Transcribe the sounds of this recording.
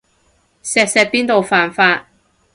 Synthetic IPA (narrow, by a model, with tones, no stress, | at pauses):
sɛː˨˧k̚sɛː˧piː˥nt̪o˨wfaː˨nfaː˧t̚